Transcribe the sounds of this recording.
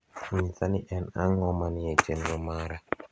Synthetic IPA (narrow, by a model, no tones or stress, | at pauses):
ɲisaniʔɛna̰ŋɔmaniet͡ʃenɾɔmaɾa